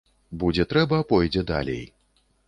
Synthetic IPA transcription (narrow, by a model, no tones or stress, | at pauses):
bud͡zʲɛt̪ɾɛbɐːpɔjd͡zʲɛd̪a̰lʲḛj